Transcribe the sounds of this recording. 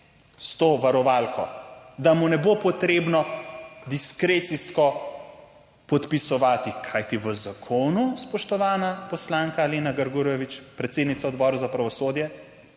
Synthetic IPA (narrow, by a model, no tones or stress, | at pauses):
st̪oːʋaɾɔʋalkʰɔd̪amunɛbopɔt̪ɾeːbnɔd̪iskɾeːt̪siskɔ | pɔt̪pisɔʋaːt̪ikʰajt̪iʋəzakʰoːnuspɔʃt̪ɔʋaːnapɔslaŋkaleːnaɡɐɾɡuɾɔʋit͡ʃpɾɛt̪sed̪nit̪saɔd̪bɔːɾuzapɾɐʋɔsoːd̪jɛ